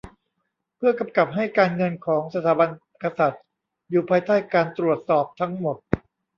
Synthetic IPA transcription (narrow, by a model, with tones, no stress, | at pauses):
pʰɯ˥˩ɐka˧mka˨˩p̚ɦa˥˩jkaː˧nŋɤ˧nkʰɔː˩˦ŋsa˧t̪ʰaː˩˦ba˧n | ka˧sa˨˩t̪̚ | juː˨˩pʰaː˧jt̪aː˥˩jkaː˧nt̪ɾu˨˩ət̪̚sɔː˨˩p̚t̪ʰa˦˥ŋmo˨˩t̪̚